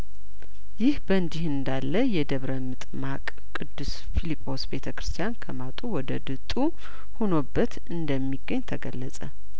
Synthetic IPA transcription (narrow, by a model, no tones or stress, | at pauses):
jɪhbəɨnd̪ihɨnd̪alːəjɛd̪əβɾəmɨt̪ʼmakʼ | kʼːɨd̪ːɨs | filipʼːo̞sbe̞t̪ʰəkɾɨst̪ʰijankʰəmat̪ʼuwɔd̪əd̪ɨt̪ʼu | hono̞bːət̪ | ɨnd̪əmːiɡəɲːt̪ʰəɡəlːəsʼə